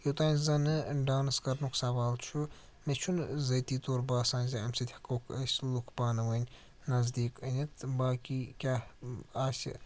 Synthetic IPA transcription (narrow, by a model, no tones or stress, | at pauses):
jot̪aːnʲzɐnɨɖaːnɨskɐɾnuksɐʋaːlt͡ʃʰu | met͡ʃʰunzɐt̪iːt̪oːɾbaːsãːnʲzʲɐɐmsit̪ʲhɐkoːkʰɐsʲlukbaːnɨʋɐnʲ | nɐzd̪iːkɐnʲit̪ʰbaːkʲikʲahaːsʲ